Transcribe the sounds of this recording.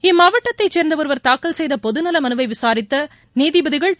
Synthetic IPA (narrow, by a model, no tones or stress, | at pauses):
ɪmːaːʋɐʈːɐt̪ːɐɪt͡ʃːeːɾnd̪ɐʋɐɾɯʋɐɾt̪aːkːɐlsɛjðɐpɔðɯnɐlɐmɐnɯʋɐɪʋɪsaːɾɪt̪ːɐ | niːðɪbɐðɪɣɐɭ